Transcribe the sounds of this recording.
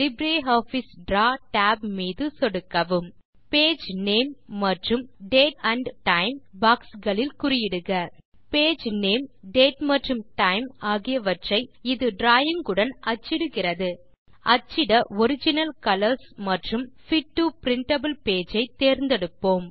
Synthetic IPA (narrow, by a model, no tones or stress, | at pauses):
lɪbɾeːoːfisɖɾaːʈaːbmiːðɯsɔɽɯkːɐʋɯm | peːd͡ʒneːmːɐʈrɯmɖeːʈɐɳɖʈɐɪmbaːksɡɐɭɪlkʊɾɪjɪɽɯɣɐ | peːd͡ʒneːmɖeːʈmɐʈrɯmʈɐɪmaːɣɪjɐʋɐʈrɐɪɪðɯɖɾaːjɪŋɡɯɽɐnʔɐt͡ʃːɪɽɯɣɪrɐðɯ | ɐt͡ʃːɪɽɐɔɾɪd͡ʒɪnɐlkɐlɐɾsmɐʈrɯmfɪʈːupɪɾɪɳʈɐbɯlpeːd͡ʒɐɪt̪eːɾnd̪ɛɽɯpːoːm